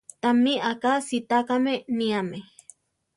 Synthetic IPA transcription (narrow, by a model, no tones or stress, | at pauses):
t̪amiʔakasit̪akameniame